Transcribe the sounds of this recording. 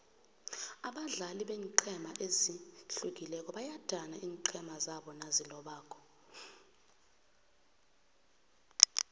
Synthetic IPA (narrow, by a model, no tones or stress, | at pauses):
aɓaɮaliɓeːŋǃʰɛmaʔeziɬuk̬ilɛk̬ʼɔɓajad̥ʱanaʔiːŋǃʰɛmazaɓɔnazilɔɓaːkʰɔ̥